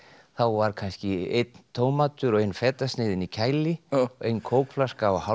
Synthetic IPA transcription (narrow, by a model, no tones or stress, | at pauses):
θawvaɾ̥kʰanscɪet̪nt̪ʰowmat̪ʏɾɔɣejnfɛːt̪ast̪nɪːðɪnicʰaːjlɪɔejnkʰoːwkflaskaaha